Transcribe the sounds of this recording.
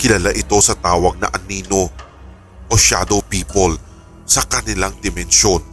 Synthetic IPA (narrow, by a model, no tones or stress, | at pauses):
kɪlɐlaʔɪt̪o̞sɐt̪aːwɐɡ̚nɐ̰ʔɐniːno | pɐʃa̰ːd̪opiːpol | sɐkɐnɪlaŋd̪ɪmɛnʃo̞n